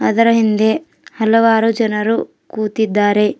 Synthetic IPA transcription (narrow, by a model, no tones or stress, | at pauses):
ɐd̪ɐɾɐɦind̪e̞ | hɐlɐʋaːɾud͡ʒɐnɐɾu | kuːt̪id̪ːaːɾe̞